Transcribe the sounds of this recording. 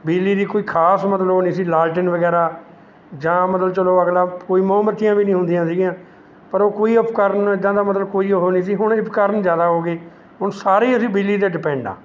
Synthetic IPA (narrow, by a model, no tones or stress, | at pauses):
biːliːd̪iːkoːiːkʰaːsmət̪ləɦoːniːsiːlaːlʈənʋəɡɛːɾaː | d͡ʒãːmət̪lt͡ʃəloːəɡlaːkoːiːmõːməɾt̪ːijãːbiːnĩːɦʊ̃nd̪ijãːsiːɡɪjãː | pəɾoːkoːiːəpʰkəɾnɪd̪ãːd̪aːmət̪ləbkoːiːoɦoːniːsiːɦʊɳɪpʰkəɾənd͡ʒjaːd̪aːɦoːɡeː | ɦʊɳsaːɾeiːəsĩːbiːlːiːd̪eːɖɪpɛ̃ːɳɖã̰ː